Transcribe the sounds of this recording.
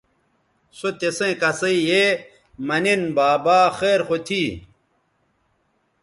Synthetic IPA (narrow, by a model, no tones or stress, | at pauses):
sot̪esẽkɐsɐije | mɐnenbaːbaːxeːɾxot̪ʰiː